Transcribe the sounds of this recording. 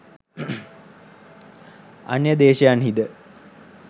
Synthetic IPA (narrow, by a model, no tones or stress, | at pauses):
a̰njəd̪eːʃejanɦid̪ə